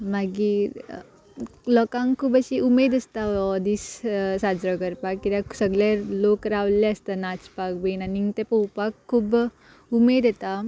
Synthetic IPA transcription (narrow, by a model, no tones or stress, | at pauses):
maɡi | lɔːkãŋkʰubɐsiʔumeːd̪ɐst̪aɔd̪issaːd͡ʒɾɔɡəɾpakːiɾasəɡlelokəɾaːʋleɐst̪anat͡ʃpak̚benaniŋt̪epowpakʰːub | umeːd̪et̪a